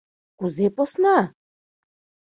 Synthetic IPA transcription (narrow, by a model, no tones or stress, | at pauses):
kuzɛpɔsna